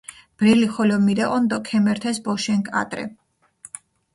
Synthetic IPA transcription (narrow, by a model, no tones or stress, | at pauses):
b̥ɾɛliχɔlɔmiɾɛʔʼɔnd̪ɔkʰɛmɛɾt̪ʰɛsbɔʃɛŋkʼa̰t̪ʼɾɛ̰